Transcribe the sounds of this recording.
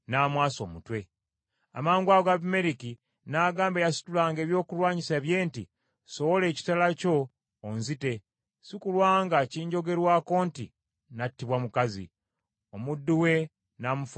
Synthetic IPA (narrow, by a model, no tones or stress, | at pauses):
naːmwaːso̞ːmutwe̞ | a̰maːŋɡwaɡaβme̞ɾiki | naːɡaːmbejasu̥tulaːŋɡe̞ːβjo̞ːkulwaːɲiseːβje̞ːntḭ | so̞wole̞ːci̥talaco̞ː | nzite̞ | sikulwaːŋɡaciːɲɟo̞ɡe̞ɾwako̞ːntḭ | natːiβwamukazḭ | omudːuwe̞ | namuf